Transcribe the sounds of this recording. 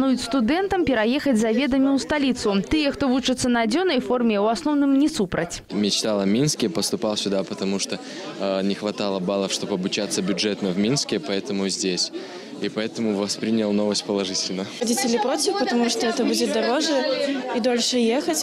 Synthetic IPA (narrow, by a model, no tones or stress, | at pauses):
nujʊt͡sʲst̪ud̪ɛnt̪ɐmpʲɛɾajɛxɐd͡zʲzɐvʲɛd̪ɐmʲiwst̪alʲit̪sʊt̪ɨjɛxt̪ɔvut͡ʂɨt̪sːɐnɐːd͡zʲɔnɐjfɔrmʲɛwasnɔwnɨmnʲɛsupɾɐt͡sʲmʲɪt͡ɕt̪alˠɐmʲinskʲɪpəst̪ʊpalˠsʲʊd̪apət̪ɐmuʂt̪o | nʲɪxvɐt̪alˠəbalˠəfʂt̪o̞bɐbʊt͡ɕat̪sːəbʲʊʐɛt̪nəvmʲinskʲɪpɐɛt̪əmʊzʲdʲesʲ | ipɐɛt̪əmʊvɐspɾʲinʲəlˠnovəsʲt̚ʲpəlˠɐʐɨtʲɪlʲnəɐdʲitʲɪlʲɪpɾotʲɪfpət̪ɐmuʂt̪oɛt̪əbudʲɪt̪̚d̪ɐɾoʐɨid̪olʲʂɨjexət͡sʲ